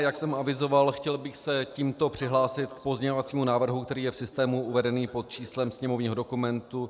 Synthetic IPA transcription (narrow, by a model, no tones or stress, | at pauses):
jaksɛmʔavɪzo̞valxcɛlbɪxsɛciːmt̪o̞pr̝̥ɪɦlaːsɪt̪kpo̞zɲɛɲovat͡siːmunaːvr̩ɦukt̪ɛɾiːjɛfsɪst̪ɛːmuʔuvɛdɛniːpot̪̚t͡ʃiːslɛmsɲɛmo̞vɲiːɦodo̞kumɛnt̪u